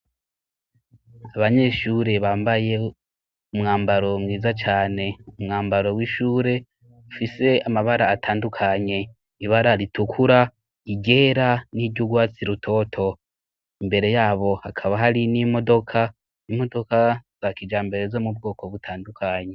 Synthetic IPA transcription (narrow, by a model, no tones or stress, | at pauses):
aβaɲe̞ːʃuɾe̞βaːmbaje̞ | umŋaːmbaɾo̞mŋiːzat͡ʃaːne̞umŋaːmbaɾo̞wiːʃuːɾe̞ | ufise̞amaβaɾaːtʰaːndukʰaɲe̞ | iβaɾaɾitukʰuɾa | iɟe̞ːɾaniɾɟuɡwaːt͡siɾutʰo̞ːtʰo̞ | imbe̞ɾe̞jaːβo̞hakʰaβaɦaɾiniːmo̞do̞kʰa | imo̞do̞kaz̥akid͡ʒaːmbe̞ɾe̞zo̞mub̚ɡo̞ːko̞βutʰaːndukʰaɲe̞